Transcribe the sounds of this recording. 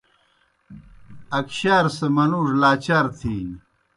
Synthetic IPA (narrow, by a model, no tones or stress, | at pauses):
ɐkɕaːɾsɐmɐnuːʐlaːt͡ɕaːɾt̪ʰiː